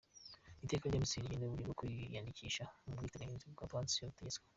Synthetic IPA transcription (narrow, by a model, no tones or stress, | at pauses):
iteːkaɾɟamisiɾijeneβuɾiɡokuijandicʰiʃamubɡiːteɾaɡenziuɡapaːnsijoβuteɟet͡skwe